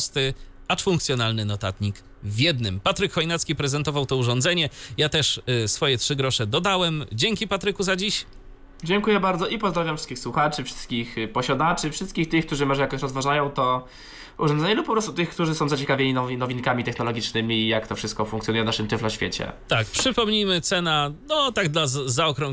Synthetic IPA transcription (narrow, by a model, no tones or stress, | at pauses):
st̪ɘ | at͡ʂfuŋkt̪sʲjɔnalnɘnɔt̪at̪ɲik | vʲjɛd̪nɘmpat̪ɾɘkxɔjnat̪skʲipɾɛzɛnt̪ɔvawt̪ɔuʐɔnd̪zɛɲɛjat̪ɛʂsfɔjɛtʂɘɡɾɔʂɛd̪ɔd̪awɛmd͡ʑeŋkʲipat̪ɾɘkuzad͡ʑiɕ | d͡ʑɛŋkujɛbaɾd̪zɔʔipɔzd̪ɾavjamfʂɘ̥skʲixswuxat͡ʂɘfʂɘ̥st̪̚kʲixpɔɕad̪at͡ʂɘfʂɘst̪̚kʲixkt̪ɘxkt̪uʐɘmɔʐɛjakɔɕɾɔzvaʐajɔ̃w̃t̪ɔ | ʔṵʐɔnzɛɲɛlupːɔpɾɔst̪ut̪ɘxkt̪uʐɘsɔ̃w̃zat͡ɕɛkavʲeɲinɔvnɔvʲinkamʲit̪ɛxnɔlɔɡʲit͡ʂnɘmʲijakt̪ɔfʂɘst̪̚kɔfuŋkt̪sʲɔnujɛnaʂɘmt̪ɛflɔɕfʲjet͡ɕɛ̰t̪akpʂɘpɔmɲimɘt̪sɛnanɔt̪aɡd̪lazaɔkɾɔ̃ŋ